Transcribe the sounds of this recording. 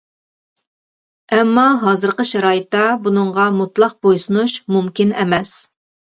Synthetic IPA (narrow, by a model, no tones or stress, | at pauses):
ɛmːɑɦɑːzɨɾqəʃɛɾɑːɨt̪ːɑbunɨɴʁɑmut̪lˠɑq̚bojsunuʃmumkʲinɛmɛs